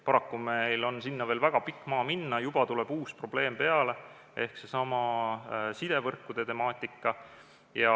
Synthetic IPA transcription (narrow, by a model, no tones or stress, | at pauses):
pɑɾɑkːumejlo̞nsinːɑve̞ːlvæɡ̥ɑpikːˑmɑːminːɑjub̥ɑt̪ule̞b̥uːspro̞b̥le̞ːmpe̞ɑle̞ | ʔe̞hkse̞sɑmɑ | sid̪e̞vɤrkːˑud̪e̞t̪e̞mɑːt̪ːˑikːˑɑ | jɑ